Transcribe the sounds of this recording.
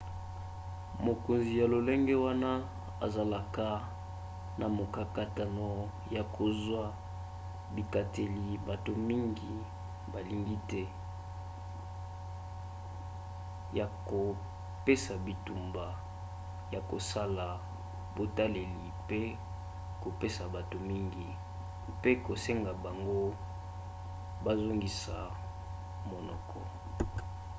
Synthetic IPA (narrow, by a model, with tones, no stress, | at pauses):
mo˨ko˨nzi˨ja˨lo˨lɛ˦ŋɡɛ˦wa˦na˦ | a̰˨za˨la˨ka˦ | na˨mo˨ka˨ka˨ta˨no˨ | ja˨kʰo˨zwa˦ | bi˨ka˨te˨li˨ba˨to˨mi˦ŋɡi˨ | ba˨li˨ŋɡi˦tɛ˦ | ja˨ko˨ | pe˦sa˨bi˨tu˨mba˨ | ja˨ko˨sa˦la˨ | bo˨ta˦le˨li˨pe˦ | ko˨pe˦sa˨ba˨to˨mi˦ŋɡi˨ | pe˦ko˨se˦ŋɡa˨ba˨ŋɡo˦ | ba˦zo˦ŋɡi˨sa˨ | mo˨nɔ̰˨kʰɔ˨